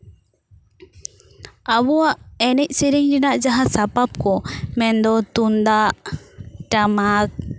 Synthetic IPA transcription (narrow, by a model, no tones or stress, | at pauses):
abuwaʔɛnɛc̚siɾiŋd͡ʒinaʔd͡ʒaɦasapap̚kɔmɛnd̪ɔt̪und̪aʔʈamak̚